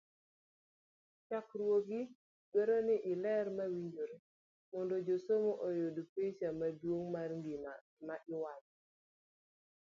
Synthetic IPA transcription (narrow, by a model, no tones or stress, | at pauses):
t͡ʃakɾwoɡi | beɾonɪʔɪlɛrmawiɲd͡ʒoɾe | mɔndod͡ʒosomoʔojodpet͡ʃamadwoŋmarŋɡima | maʔɪwat͡ʃ